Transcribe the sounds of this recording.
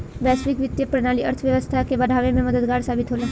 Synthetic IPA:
ʋɛːsʋɪkʋɪt̪ːjəpɾnaːliɐɾt̪ʰəʋjəʋəst̪ʰakebɐɽʱaːʋemẽmɐd̪əd̪ɡaːɾsaːbɪt̪ɦoːlẽː

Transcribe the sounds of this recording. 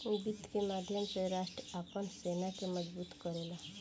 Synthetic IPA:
ubit̪kemad̪ʱjəmt͡ɕeɾaʂʈɾapəɳsenakeməd͡zbuːt̪kəɾela

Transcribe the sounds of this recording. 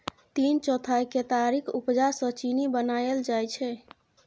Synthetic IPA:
t̪int͡ʃɔt̪ʰajket̪aɾikʰupd͡ʒaɾsət͡ʃinibənajeld͡ʒajt͡ʃʰɛ

